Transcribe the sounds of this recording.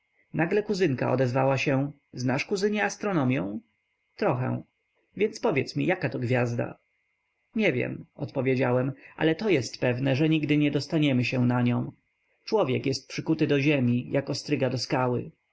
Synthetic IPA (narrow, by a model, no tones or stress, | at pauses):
naɡlɛkuzɘŋka̰ʔɔ̰d̪ɛzvawaɕɛ̃ | znaʂkuzɘɲɛast̪ɾɔnɔmʲjɔ̃w̃ | t̪ɾɔxɛ̰w̃ | vʲjɛnspɔvʲjɛt̪smʲijakat̪ɔɡvʲjazd̪a̰ | ɲɛvʲjɛ̰mɔt̪pɔvʲjed͡ʑawɛmʔa̰lɛt̪ɔjɛst̪pɛvnɛʐɛɲiɡd̪ɘɲɛd̪ɔst̪aɲɛmɘɕɛw̃naɲɔ̃w̃ | t͡ʂwɔvʲjɛkjɛst̪̚pʂɘkut̪ɘd̪ɔʑɛmʲijʔakɔst̪ɾɘɡad̪ɔskawɘ̰